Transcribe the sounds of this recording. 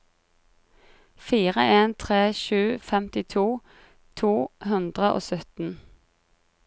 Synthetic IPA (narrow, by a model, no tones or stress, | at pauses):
fiːʁəʔeːnt̪ʰʁeːʃʉːfɛmt̪ɪt̪ʰuː | t̪ʰuːhʉnd̪ʁəʔo̰ːsœt̪n̩